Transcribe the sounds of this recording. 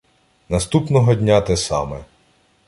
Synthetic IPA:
nɐst̪upnɔɦɔdʲnʲat̪ɛsɑ̰mɛ

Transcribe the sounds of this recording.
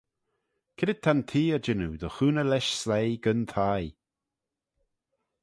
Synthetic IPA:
kʰɪdɪd̪̚t̪ʰant̪ʰiːəd͡ʒɪnud̪əxuːnəlɛʃslejɡənt̪ʰaj

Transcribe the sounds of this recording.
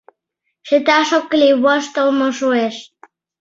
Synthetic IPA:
ʃet̪ɑʃokːliwɑʃt̪əlmoʃoeʃ

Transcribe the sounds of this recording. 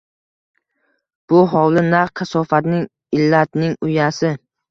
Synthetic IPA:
b̥ʊɦɒwlɪnaɾkʲʰasɒfat̪nɪŋ | ɪlːat̪nɪŋʊjasɪ

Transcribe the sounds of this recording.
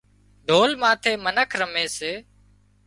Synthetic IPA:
ɖ̪ʱoːlmãːt̪ʰeːmənəkʰɾəmeːseː

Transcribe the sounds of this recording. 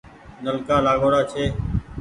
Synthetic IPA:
nəlkaːlaːɠoːɽaːt͡ʃʰeː

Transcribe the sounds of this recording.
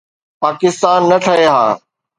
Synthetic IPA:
paːkɪst̪aːnːɐʈʰɐɦeɦaː

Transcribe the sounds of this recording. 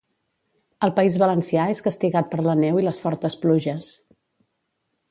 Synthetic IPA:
əlˠpəizβələnsiaeskəst̪iɣat̪̚pəɾlənɛwiləsfɔɾt̪əspluʒəs

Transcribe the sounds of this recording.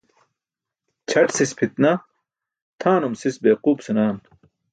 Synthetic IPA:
t͡ɕʰɐʈsispʰit̪nɐ | t̪ʰaːnumsisbeːquːpsɐnaːn

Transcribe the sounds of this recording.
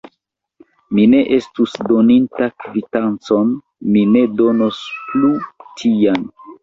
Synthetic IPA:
mine̞ʔe̞stusdo̞nintakvitant͡so̞n | mine̞do̞nosplutʰian

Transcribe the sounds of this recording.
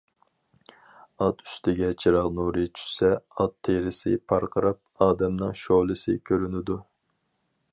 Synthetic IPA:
ɑt̪y̥st̪ʰɪɡʲɛt͡ʃʰiɾɑʁnuɾɨt͡ʃʰy̥ʃsɛɑt̪ʰːeɾɪsɪ̰pʰɑɾqʰəɾɑp̚ɑːd̪ɛmnɨŋʃolˠɨsɪkʲʰøɾynɪd̪u

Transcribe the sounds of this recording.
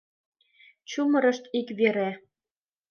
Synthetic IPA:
t͡ɕumɤ̆ɾɤ̆ʃt̪ikβeɾæ

